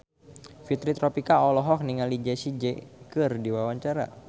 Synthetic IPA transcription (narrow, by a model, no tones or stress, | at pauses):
fit̪ɾit̪ɾɔpikaɔlɔɦɔk̚niŋalid͡ʒɛsid͡ʒɛkɨrdiwawaɲt͡ʃaɾa̰